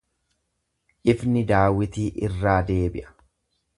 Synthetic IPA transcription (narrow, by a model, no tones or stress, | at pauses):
ʔɪfnɪd̪aːwɪt̪iːʔɪrːaːd̪e̞ːbɪʔɐ̥